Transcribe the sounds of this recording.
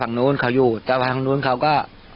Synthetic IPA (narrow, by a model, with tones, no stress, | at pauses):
a˨˩ŋnuː˧˥˨nkʰa˧˩˦wjuː˨˧˩t̪aː˧˩wa˧a˧ŋnuː˧˥˨nkʰa˧˦˩wkɔː˥˩